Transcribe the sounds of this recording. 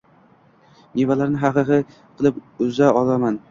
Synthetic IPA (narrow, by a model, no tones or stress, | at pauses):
nevalaɾnɪɦɑqɨqɨ | qʰɨlˠɪpʊzaɒlaman